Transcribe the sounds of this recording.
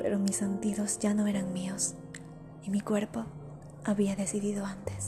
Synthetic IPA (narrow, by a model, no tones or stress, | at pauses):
peɾomisːent̪iðo̞zʝano̞e̞ɾaŋmio̞s | imikwe̞ɾpo̞ | aβiaðe̞siðiðo̞ant̪es